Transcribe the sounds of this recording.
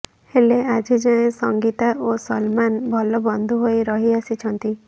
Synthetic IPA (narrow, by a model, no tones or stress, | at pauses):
helead͡ʒid͡ʒaẽsɔŋɡit̪aʔosɔlmanbʱɔlɔbɔnd̪ʱuɦojɾɔɦiasit͡ʃʰɔnt̪i